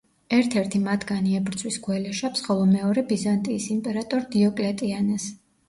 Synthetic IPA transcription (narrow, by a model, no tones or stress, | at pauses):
ɛɾt̪ʰɛɾt̪ʰimat̪ʰɡaniɛbɾt̪sʰʼwisɡwɛlɛʃapsχɔlˠɔmɛɔɾɛbizant̪ʼiːsimpʼɛɾat̪ʼɔɾd̪iɔkʼlɛt̪ʼianɛs